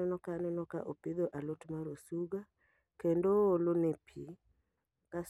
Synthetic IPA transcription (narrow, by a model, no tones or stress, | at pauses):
ɛnɔkanɛnɔka̰ʔopɪd̪oʔalotmaɾosuɡa | kendoːlonepʰi | kas